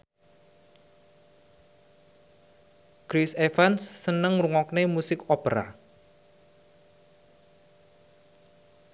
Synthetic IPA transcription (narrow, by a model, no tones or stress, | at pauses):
kɾisefansːənəŋruŋɔknemusɪkopəɾa̰